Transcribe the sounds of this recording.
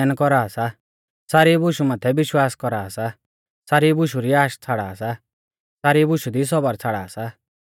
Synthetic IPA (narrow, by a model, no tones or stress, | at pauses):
nkɔɾaːsa | saːɾibʊʃumat̪ʰɛbɪʃwaːskɔɾaːsa | saːɾibʊʃuɾiaːʃt͡sʰaɽaːsa | saːɾibʊʃud̪is̬ɔbəɾt͡sʰaɽaːsa